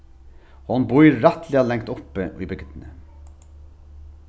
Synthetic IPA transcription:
hʊnbʊʏɾɾɑt̪ʰlɪɑlɛŋt̪ʊpːəḭːbʏɡd̪n̩ə

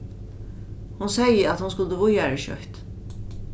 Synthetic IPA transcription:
hʊnsɛjəat̪hʊnskʊlt̪əvʊjaɾɛʃœ̰ht̪

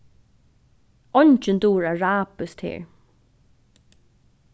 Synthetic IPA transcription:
ɔɲt͡ʃənd̪uːɹaɹaːpəst̪hḭːɹ

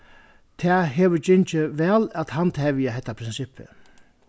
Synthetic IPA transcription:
t̪ʰɛːɦeːʋʏd͡ʒɪɲt͡ʃɪʋɛːlæt̪hant̪ʰɛːʋɪjaɦɛht̪ːapʰɾɪnsɪpʰːɪ̰

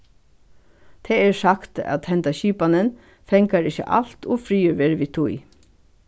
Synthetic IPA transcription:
t̪ʰɛːɛɹsakt̪a̰t̪hɛnt̪aɕiːpanɪn | fɛŋkaɾɪçə̰ʔa̰l̥t̪ɔfɾiːʏɾʋeːɾəʋiːt̪ʰʊj

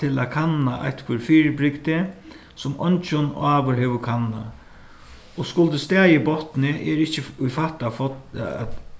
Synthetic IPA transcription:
t̪ʰɪlakʰanaʔa̰jht̪kʰvʏɾfiːɾɪbɾɪkt̪ɪ | sʊmɔ̰nt͡ʃʊnaːʋʊɹɦɛːʋʊkʰanːa̰ | ɔskʊlt̪ɪst̪ɛːjɪbɔht̪nɪɛɾɪht͡ʃɪʊjfaht̪afɔ̰

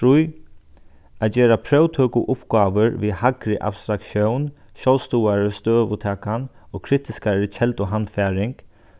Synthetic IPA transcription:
ɾuj | ad͡ʒɛːɾapʰɾœwt̪ʰøːkʊʔʊpɡaːʋəɾʋihakɾɪʔa̰bst̪ɾakʃjɔwn | ʃɔwlst̪uːaɹəst̪øːʋʊt̪ʰɛːkanɔːkʰɾɪt̪ɪskaɾɪt͡ʃʰɛlt̪ɔɦanfɛːɾɪŋk

